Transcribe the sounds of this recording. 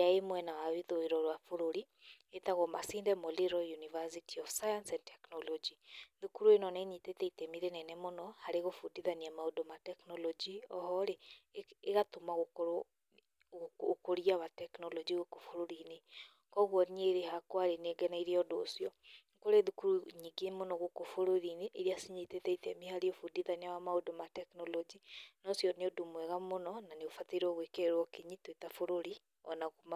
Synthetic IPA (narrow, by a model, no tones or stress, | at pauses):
aemwɛnawaweðoeɾɔɾwafoɾoɾi | etaɣɔmasiːndɛmoleɾɔjunivasitʰiɔfsajansɛntɛknɔlɔd͡ʒiðukuɾuenɔneɲitetɛitemiɾenɛnɛmonɔhaɾeɣofudiðaniɛmaodomatɛknɔlɔd͡ʒiɔhɔɾeː | ɣatomaɣok | ɣokoɾiaβatɛknɔlɔd͡ʒiɣokofoɾoɾine | kɔɣwɔneɾehakwaɾeneɡɛnaiɾeɔdo̰ːsjɔ | koɾeðukuɾuɲiɡemonɔɣokofoɾoɾineʔːɾiasiɲitetɛitɛmihaɾiofudiðaneawamaodomatɛknɔlɔd͡ʒinɔsjɔneodomwɛɣamonɔnaneofateɾɔɣwekeɾwɔkeɲitwetafoɾoɾi | ɔ̰naɣoma